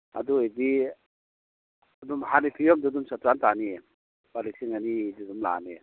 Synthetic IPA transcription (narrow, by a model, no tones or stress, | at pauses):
a̰duedi | adumhanipʰijɔmdudumsatɾantanie | b̥alisiŋanididumla̰ne